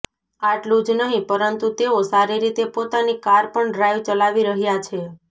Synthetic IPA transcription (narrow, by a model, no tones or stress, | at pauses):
aʈlũd͡ʒnəɦĩpəɾənt̪ut̪eosaɾiɾit̪epot̪anikaɾpəɳɖɾajʋt͡ʃəlaʋiɾəɦjat͡ʃʰe